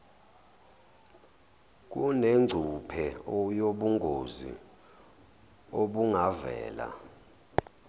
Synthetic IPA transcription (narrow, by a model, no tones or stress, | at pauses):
k̬ʼuneŋ͡ǀʱupʰɛɔjoɓuŋɡʱozḭ | oɓuŋavɛ̰ːla̰